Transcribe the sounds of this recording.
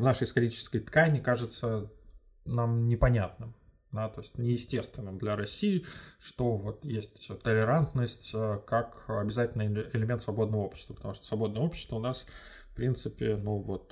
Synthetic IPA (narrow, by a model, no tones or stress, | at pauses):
vnaʂɨjɪst̪ɐɾʲit͡ɕɪ̥skəjt̪kanʲɪkaʐɨt̪sə | namnʲɪpɐnʲat̪nɨm | d̪at̪o̞ɪsʲtʲnʲɪjɪsʲtʲe̞st̪vʲɪnːɨmd̪lʲɐɾɐsʲijɪʂt̪o̞vo̞t̪jesʲtʲt̪əlʲɪɾant̪nəsʲtʲəkakɐbʲɪzatʲɪlʲnɨɪlʲɪmʲe̞nt̪svɐbo̞d̪nəvəo̞pɕɪ̥st̪vəpət̪ɐmuʂt̪o̥svɐbo̞d̪nəjəo̞pɕɪ̥st̪vəʊnas | fpɾʲint̪sɨpʲɪnuvo̞t̪